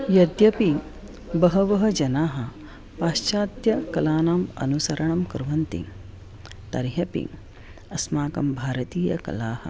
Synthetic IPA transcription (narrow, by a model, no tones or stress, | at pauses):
jɐd̪jɐpi | bɐɦɐʋɐɦɐd͡ʒɐnaːɦɐ̆ | paːʃt͡ʃaːd̪jɐkɐlaːnaːmɐ̰nusɐɾɐɳɐmkɾʋɐnt̪ḭ | t̪ɐɾjɐpḭ | ɐsmaːkɐmbʱaːɾɐt̪iːjɐ̰kɐ̰laːhɐ̰